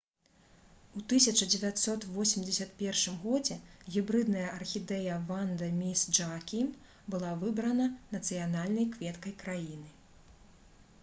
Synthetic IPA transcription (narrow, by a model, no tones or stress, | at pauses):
ut̪ɨsʲɐt͡ʂɐd͡zʲɛvʲat̪sɔt̪vɔsʲimʲd͡zʲɐsʲɐt̪pʲɛrʂɨmɣɔd͡zʲɛɣʲibɾɨd̪nɐjɐʔɐrxʲid̪ɛjɐvand̪ɐmʲisd͡ʐakʲim | bɨlˠavɨbɾɐnɐnɐt̪sɨjanalʲnɐjkvʲɛt̪kɐjkɾajinɨ